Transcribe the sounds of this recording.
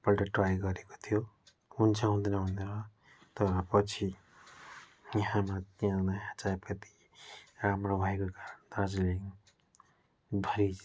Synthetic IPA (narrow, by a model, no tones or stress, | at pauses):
pʌlʈʌʈrajɡʌɾeko̥t̪ʰijo | unt͡sʰʌ̃ɦũnd̪enʌɦuneɾʌ | t̪ʌɾʌpʌt͡sʰi | jʌɦãmat̪iãnaɦãt͡sapʰʌt̪i̥ | ramrobʱʌekokaɾʌnd̪ʌd͡zliŋ | b̪ʱʌɾi